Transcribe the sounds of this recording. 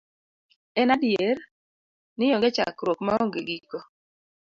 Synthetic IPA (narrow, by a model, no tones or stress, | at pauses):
ɛnadjer | nɪjɔŋɡɛt͡ʃa̰kɾwokmaɔŋɡeɡiko